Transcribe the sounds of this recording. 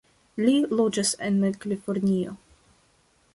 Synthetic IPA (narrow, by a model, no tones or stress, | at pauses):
lilod͡ʒasḛnmekalifoɾnʲio̰